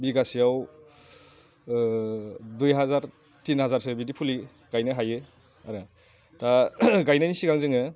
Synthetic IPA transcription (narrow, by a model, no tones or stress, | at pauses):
biɡasijaw | dujɦazaɾ | tinhazaɾsebidipʰuli | ɡ̥ajnɯɦajɯ | aɾɯ | taɡajnanisiɡaŋzɯŋɯ